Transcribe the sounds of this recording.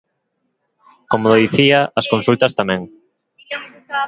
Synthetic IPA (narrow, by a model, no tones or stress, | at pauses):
komoloðiθiaɐskõnsult̪ɐst̪amɛ̃ŋ